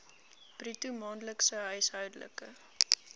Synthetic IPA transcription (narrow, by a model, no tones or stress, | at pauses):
b̥ritumɑːnləksəɦœjsɦœwdələ̰kə